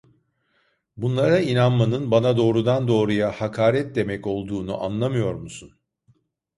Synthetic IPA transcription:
bunlˠaɾainanmanɯnbanad̪o̞ːɾud̪and̪o̞ːɾujahakʰaːɾɛt̪̚d̪e̞mɛco̞lˠd̪uːnuʔanlˠamɯjo̞ɾmusun

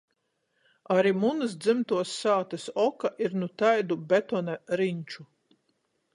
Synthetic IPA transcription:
aɾimunɨsd̪zɨmt̪uɔsːaːt̪ɐsɔkaʔiɾnut̪ajd̪ubɛt̪ɔnaɾiɲt͡ʃu

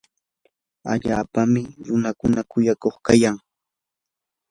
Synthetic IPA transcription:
a̰ʎaːpamɪɾʊnakʊnakʊjakoχkajaŋ

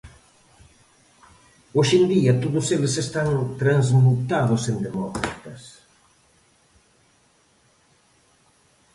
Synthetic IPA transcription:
oʃend̪iɐt̪oðʊselesest̪aŋt̪ɾanzmut̪aðʊsend̪emɔkɾa̰t̪ɐs

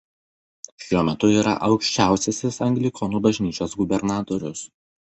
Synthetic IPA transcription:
ʃʲuɔmʲɛt̪ʊiːɾɐ̰ʔɒʊkʃʲt͡ʃʲæˑʊsʲesʲɪsɐŋʲɡlʲɪkʰɔnuːbɐʒʲnʲiːt͡ʃʲoːsɡʊbʲɛɾnɑːt̪ɔɾʲʊs

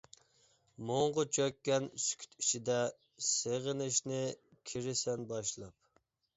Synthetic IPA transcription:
moɴʁʊt͡ʃʰøkʲːɛnsy̥kʲʰy̥t̪i̥t͡ʃʰid̪ɛ | seʁɪnɪʃnɪkʲʰiɾɪsɛnbɑʃlˠɑp̚

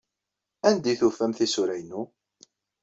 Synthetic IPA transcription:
ænd̪iθufːæmθisuɾæjnu

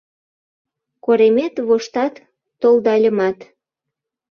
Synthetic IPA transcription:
koɾemet̪βoʃt̪ɑt̪ː | old̪ɑlʲə̆mɑt̪

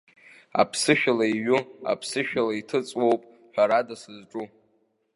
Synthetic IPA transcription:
a̰pʰsɨʃᶣalaiɥʊa̰pʰsɨʃᶣalaitʰɨt͡sʼwo̞wpʼ | ħᶣaɾadasɨzʈ͡ʂʼu

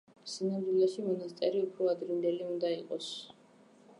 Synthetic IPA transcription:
sinamd̪wilɛʃimɔnast̪sʼɛɾiupʰɾɔad̪ɾimd̪ɛliund̪aiqʼɔs

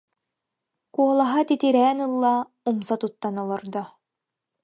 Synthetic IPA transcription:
kuɔlˠaɦat̪it̪iɾɛːnɯlˠːa | umsat̪ut̪ːanɔlˠɔɾd̪ɔ

